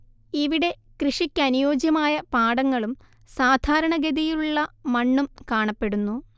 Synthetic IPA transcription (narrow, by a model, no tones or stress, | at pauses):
iʋiɽe̞ | krɨʂikʲːɐnujoːd͡ʑjɐmaːjɐpaːɽɐŋːɐɭum | saːd̪ʱaːɾɐɳɐɡed̪ijiluɭːɐmɐɳːumkaːɳɐpːe̞ɽunːu